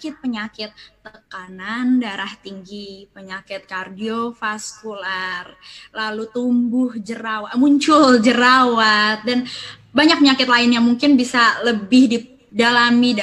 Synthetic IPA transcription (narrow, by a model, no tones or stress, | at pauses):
kɪt̪̚pəɲakɪt̪ːəkanandaɾaht̪iŋɡipəɲakɪt̪̚kardiofaskularlalut̪umbʊhd͡ʒəɾawamuɲt͡ʃʊld͡ʒəɾawat̪̚dan | baɲak̚pəɲakɪt̪laɪnjaŋmuŋkɪnbisaləbɪhdi | dalamid